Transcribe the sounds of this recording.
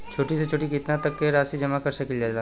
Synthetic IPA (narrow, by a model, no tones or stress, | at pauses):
t͡ʃʰoːʈiset͡ʃʰoːʈikɪt̪nat̪ɐkːeɾaːsid͡ʒɐmakɐɾsɐkɪld͡ʒaza